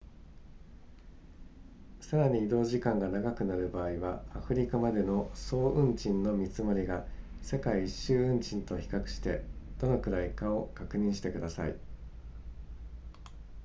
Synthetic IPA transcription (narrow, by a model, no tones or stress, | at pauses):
saɾaɲ̟iːd̪o̞ːʑikãŋɡanaɡakɯ̟naɾɯ̟baːiβaːɸɯ̟ɾʲikamad̪e̞no̞so̞ːʔɯ̟̃ɲt͡ɕĩnːo̞mʲit͡sɨmo̞ɾʲiɡa | se̞kaiːɕːɨːɯ̟̃ɲt͡ɕĩnt̪o̞çi̥kakɯ̟̥ɕi̥t̪e̞d̪̥o̞no̞kɯ̟ɾaikao̞kakɯ̟ɲ̟ĩɰ̃ɕi̥t̪e̞kɯ̟d̪asa̰ḭ